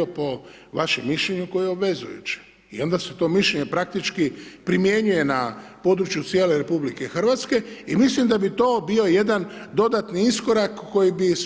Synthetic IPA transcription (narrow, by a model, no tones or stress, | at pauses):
opo̞ʋaʃemːiʃʎeɲuko̞jeobʋe̞zṵjṵt͡ʃe̥ | ḭo̞nd̪aset̪o̞ːmiʃʎeɲepɾak̚t̪it͡ʃkipɾimje̞ɲuje̞napo̞ːd̪ɾut͡ʃjut̪sjeːle̞ɾe̞publike̞xr̩ʋat̪ske̞imislimd̪abit̪o̞ːbio̞je̞d̪and̪o̞d̪at̪niisko̞ɾakːo̞jibis